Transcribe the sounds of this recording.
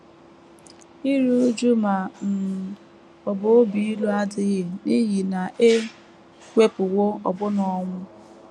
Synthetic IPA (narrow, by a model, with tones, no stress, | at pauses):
i˦ɾu˦d͡ʒu˦ma˨n̩˨ | ɔ˨bo˨o˦bi˨i˦lu˦a˦dɪ˦ɣɪ˨ni˦ɣi˨na˨ʔe˦ | kʷe˦pʊ˨wo˦ɔ̰˨bʊ˦nɔ˨ŋʷʊ˦